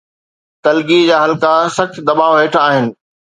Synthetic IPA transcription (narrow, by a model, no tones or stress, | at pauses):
t̪ɐlɡid͡ʑaːɦɐlkasɐkt͡ɕd̪ɐɓaːʋɦeːʈʰaːɦɪnɪ̆